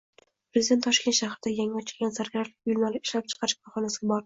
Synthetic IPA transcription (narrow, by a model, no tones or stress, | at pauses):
pɾezɪd̪e̞nt̪ːʰɒʃkʲet̪ʃahɾd̪ajaŋɒt͡ʃʰɪ̥ɡʲanzaɾɡʲaɾalɪ̥kʲʊjʊlˠmalɪɪ̥ʃlap̚t͡ʃʰɨ̥qʰɑɾɪʃbɒχɒnasɪɡʲabɒɾɪ